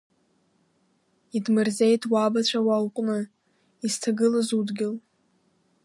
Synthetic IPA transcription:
idmɨrzejtʰwabat͡ɕʷʰawawqʷʼnɨ | iztʰaɡɨlazudɡʲɪl

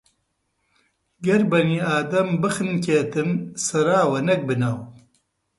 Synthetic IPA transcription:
ɡɐɾbɐniːaːd̪ɐmbɨxɨnkʰeːt̪ɨnsɐɾaːwɐnɐk̚bɨnaːw

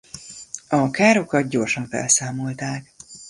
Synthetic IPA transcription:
ɒkaːɾo̞kɒt̪̚ɟo̞rʃɒɱfɛ̰lsaːmo̞lt̪aːk

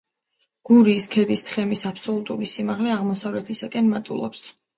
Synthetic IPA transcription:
ɡ̥uɾiːskʰɛd̪ist̪χɛmisapʰsɔlˠut̪ʼulisimaʁlɛaʁmɔsavlɛt̪ʰisakʼɛnmat̪ʼṵlˠɔ̰ps

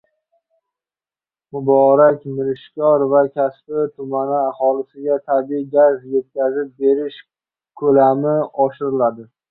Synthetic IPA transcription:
mʊbɒɾakʲmɪɾɪʃkʲɒɾvakʲʰaspɪt̪ʰʊmanɪahɒlˠɪsɪɡʲat̪ʰabiɡʲazje̞t̪̚kʲazɪp̚be̞ɾɪʃ | kʰɵlamɪɒʃɪɾɪlad̪ɪ

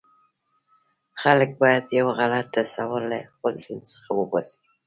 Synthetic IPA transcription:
χaləkbɑjad̪jawɣalat̪̚ːasawalaəlsɪnsə̥χawəbazi̥

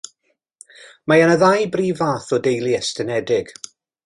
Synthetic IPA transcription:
majənəðajbriːvaːθɔdejlˠiɛstənɛdɪɡ̥

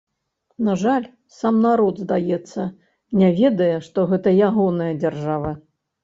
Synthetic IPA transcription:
naʐalʲ | samnaɾɔd̪zd̪ajɛt̪sːɐ | nʲɛvʲɛd̪ɐjɛʂt̪ɔɣɛt̪ɐjaɣɔnɐjɐd͡zʲarʐavɐ

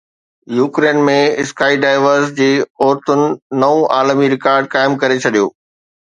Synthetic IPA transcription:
juːkɾeːnmẽɪskaːiɖaːɪʋəɾsd͡ʑeːɔːɾt̪ʊnɪ̆nɐõʔaːlmiɾɪkaːɾɖ̚kaːɪmkɐɾet͡ɕʰɐɗijo̰ː

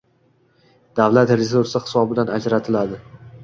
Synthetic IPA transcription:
d̪avlat̪ɾesuɾsɪhɪ̥sɒbɪd̪anad͡ʒɾat̪ʰɪlad̪ɪ

